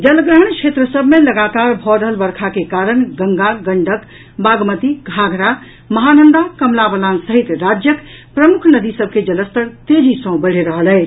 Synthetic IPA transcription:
d͡ʒəlɡɾəɦəɳ̃kʰet̪ɾəsəbmeləɡat̪aɾbʱɔɾəɦəlbəɾkʰakekaɾəɳɡəŋɡaɡəɳɖək | baɡmət̪iɡʱaɡʱɾa | məɦanənd̪akəmlabəlansəɦit̪ɾad͡ʒjəkpɾəmukʰnəd̪isəb̚ked͡ʒələst̪ʰəɾt̪ed͡ʒisə̃w̃bəɽ̤eɾəɦəlɛ

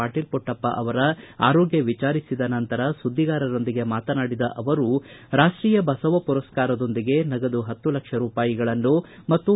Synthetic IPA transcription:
aːʈiːlpɔʈːɐpːɐ̰ʔɐʋɐɾɐa̰ːɾoːɡjɐʋit͡ʃaːɾisid̪ɐnɐnt̪ɐɾɐsud̪ʱːiɡaːɾɐɾo̞nd̪iɡe̞maːt̪ɐnaːɽid̪ɐ̰ʔɐʋɐɾuɾaːʂʈɾiːjɐbɐsɐʋɐpuɾɐskaːɾɐd̪ond̪iɡe̞nɐɡɐd̪uɦɐt̪ːulɐkʂɐɾuːpaːjiɡɐɭɐnːumɐt̪ːu

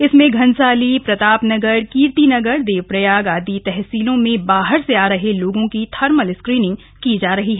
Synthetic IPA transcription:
ɪsmẽɡʱɐnsaːlipɾɐt̪aːpnɐɡəɾkiːɾt̪inɐɡəɾd̪eːʋpɾɐjaːɡaːd̪it̪ɛɦsiːlõmẽbaːɦəɾseaːɾɐɦeloːɡõkit̪ʰɐɾməlɪskɾiːnɪ̃ŋɡ | kid͡ʒaːɾɐɦiɦɛː

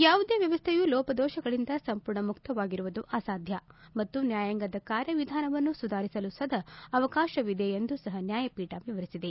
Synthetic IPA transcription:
jaːʋud̪e̞ːʋjɐʋɐst̪ʰejulɔːpɐd̪ɔːʃɐɡɐɭind̪ɐsɐmpuːɾɳɐmukt̪ɐʋaːɡiɾuʋud̪uʔaːsaːd̪ʱjɐmɐt̪ːunjaːjaŋɡɐd̪ɐkaːɾjɐʋid̪ʱaːnɐʋɐnːusud̪ʱaːɾisɐlusɐd̪ʱɐːʋɐkaːʃɐʋid̪eend̪usɐɦɐnjaːjɐpiːʈɐʋiʋɐɾisid̪e

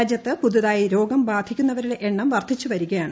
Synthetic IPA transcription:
d͡ʑjɐt̪ːɨpuðuðaːjiɾo̞ːɡɐmbaːd̪ʱikʲːun̪ːɐʋɐɾuɽe̞ʔeɳːɐmʋɐrt̪ʰːit͡ɕːuʋɐɾuɣɐjaːɳɨ

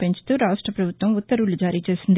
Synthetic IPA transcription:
pe̞ɲt͡ʃu̥t̪uːɾaːʂʈɾɐpɾɐbʱut̪ʋɐmut̪ːɐɾuɭːud͡ʒaːɾiːt͡ʃe̞ːsind̪

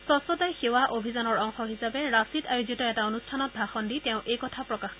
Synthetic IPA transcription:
sɔsɔtajxewaʔobʱizɔnɔɹɔŋxɔɦisabɛɹasitajozitɔɛtaonustʰanɔt̚bʱaxɔnditɛʊ̃ʔejkɔtʰapɹɔkax

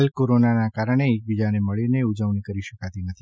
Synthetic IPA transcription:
əlkoɾonanakaɾəɳ̃eːk̚bid͡ʒaneməɭineud͡ʒəʋnikəɾiʃəkat̪inət̪ʰi

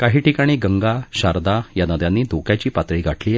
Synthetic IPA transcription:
kaɦiːʈikaɽ̃iːɡəŋɡaɕaɾd̪ajanəd̪jãnːiːd̪ʱokjat͡ɕiːpat̪ɾiːɡʱaʈliː

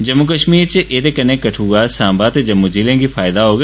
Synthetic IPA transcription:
d͡ʒɐmːuk̬əʃmiːɾt͡ʃeʔet̪ekənẽkɐʈʰuːɡaːsãːmbaːt̪ed͡ʒɐmːud͡ʒiːlẽɡifʰaːɪd̪aɦoːɡ

